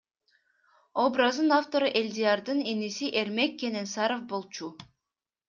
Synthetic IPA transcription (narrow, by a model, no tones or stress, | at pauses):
obɾɑzd̪ɯnaft̪o̞ɾɯʔelʲd̪ijɑɾd̪ɯnenisiʔe̞ɾme̞kːe̞ne̞nsɑɾofbo̞lˠt͡ʃu